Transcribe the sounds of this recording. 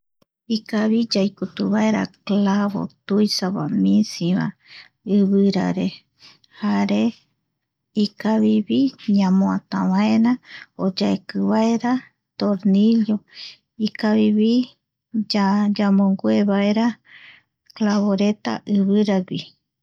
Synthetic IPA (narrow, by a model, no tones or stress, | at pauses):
ikaβid͡ʒajkut̪uβaeɾa̰klaβo̰t̪ujsaβa̰mĩsĩβa̰ | ɨβɨɾa̰ɾe | haɾe | ikaβiβiɲãmõãt̪ãβãẽɾãod͡ʒaekɨβaeɾa | t̪oɾniljo | ikaβiβi | d͡ʒad͡ʒamõŋɡoeβaeɾa | klaβoɾe̞t̪a̰ʔɨβɨɾaɡi